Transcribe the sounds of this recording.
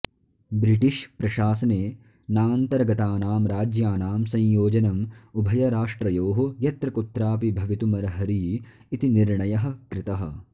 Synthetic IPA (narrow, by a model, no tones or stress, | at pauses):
bɾiʈiʃpɾɐʃaːsɐneː | naːnt̪ɐɾɡɐt̪aːnaːmɾaːd͡ʒjaːnaːmsɐ̃jjoːd͡ʒɐnɐmubʱɐjɐɾaːʂʈɾɐjoːɦojɐt̪ɾɐkut̪ɾaːpibʱɐʋit̪umɐɾɐɦɐɾiː | t̪iniɾɳɐjɐɦɐ̆kɾɪt̪ɐɦɐ̰̆